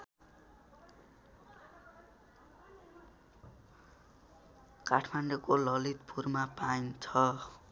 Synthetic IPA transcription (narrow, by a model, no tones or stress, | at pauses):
kaʈʰmaɳɖokolʌlit̪pʰurmapaint͡sʰʌ